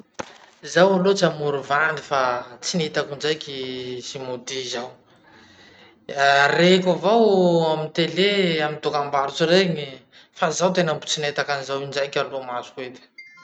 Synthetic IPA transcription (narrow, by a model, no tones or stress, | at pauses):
zawalot͡samuɾuvanifat͡sinit̪akund͡ʒajkʲisimud̪izaw | arekavawamint̪eleamint̪ukambaɾut͡suɾeɲi | fazawt̪enambu̥t͡sinet̪akanizawind͡ʒajkʲalomazu̥kuet̪i̥